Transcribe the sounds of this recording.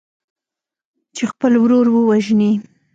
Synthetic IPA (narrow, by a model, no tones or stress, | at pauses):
t͡ʃexpəlwɾoɾwəwaʒni